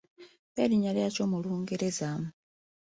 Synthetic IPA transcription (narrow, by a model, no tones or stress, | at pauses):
βeliɲaljacomuluːŋɡeɾezamu